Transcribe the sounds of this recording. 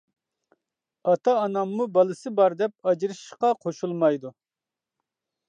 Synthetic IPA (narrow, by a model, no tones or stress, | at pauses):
ɑt̪ʰɑːnɑmːubɑlˠɨsɨbɑɾd̪ɛp̚ɑd͡ʒiɾɨʃʃqɑqʰoʃulˠmɑjd̪u